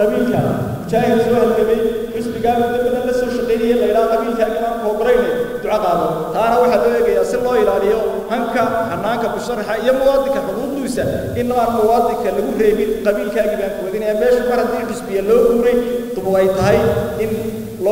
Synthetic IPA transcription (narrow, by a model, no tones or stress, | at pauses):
qɑβiːlkʰɐ̰ | t͡ʃaːhɪðsɔːhɐlɡɐβɛjrɪsbɪɣaːmʊd̪ɐbɐðɐlɐsɔːʃɑqɛjnɐjɛlɐjɪɽaːqɑβiːlkʰaːɣɪmaːŋkʰɔːɡʊɾɛjnɛd̪ʊʕɑqɑːðɔt̪ʰaːnɐwɑħɑlɔːɛːɣɐjaːsɪlɔːɪɾaːlɪjɔ | hɐŋkʰɐħɐnaːŋkʰɐbʊsɐrɐħɑijɔmʊwɑːd̪ɪŋkʰɐħʊðuːd̪usɐ | ɪnːɔaːnmʊwɑːd̪ɪŋkʰɐlɐɣʊrɛːβɪnqɑβiːlkʰaːɣɪmaːŋkʰʊwðɪnɛːmɛːʃʊmɐrhɐt̪ʰiːɖɪsbɪjɐlɔːɡuːɾɛjt̪ʊβʊqɛjt̪ʰɐɦɛjɪn | lɔ